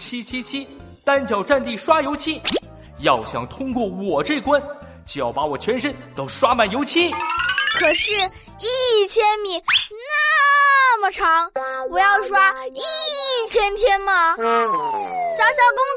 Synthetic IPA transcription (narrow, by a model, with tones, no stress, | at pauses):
t͡ɕʰi˥t͡ɕʰi˥t͡ɕʰi˥ | t̪a˥nt͡ɕjɑ˨˩ʊʈ͡ʂa˥˧nt̪i˥˩ʂwa˥jo˧˥ʊt͡ɕʰi˥˩ | jɑ˥˩ʊɕjɑ̰˨˩ŋt̪ʰʊ˥ŋkwɔ˥˩wɔ˨˩ʈ͡ʂɤ˥˩ɪkwa˥n | t͡ɕjjɑ˨˩ʊpa˧˥wɔ˨˩t͡ɕʰɥɛ˧˥nʂə˥nt̪o˧˥ʊʂwa˥ma˨˩njo˧˥ʊt͡ɕʰi˥˩kʰɤ˨˩ʂɻ̩˥˩i˥˩t͡ɕʰjɛ˥nmi˨˩na˥mə˨˩ʈ͡ʂʰɑ˧˥ŋwɔ˨˩jɑ˥˩ʊʂwa˥i˥t͡ɕʰjɛ˥nt̪ʰjɛ˥nmɐ˨ | ɕjɑ˥ʊɕjɑ˥ʊkʊ˥ŋ